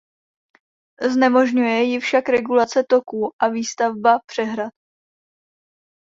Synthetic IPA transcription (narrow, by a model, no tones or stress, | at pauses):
znɛmo̞ʒɲujɛjɪfʃakɾɛɡulat͡sɛt̪o̞kuːʔaviːst̪avbapr̥ɛɦɾat̪̚